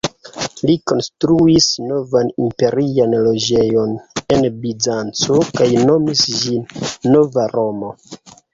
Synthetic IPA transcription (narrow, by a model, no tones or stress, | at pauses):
liko̞nstɾuisno̞vanimpe̞ɾianlo̞d͡ʒe̞jo̞ne̞nbizant͡sokajno̞misd͡ʒinːo̞vaɾo̞mo̞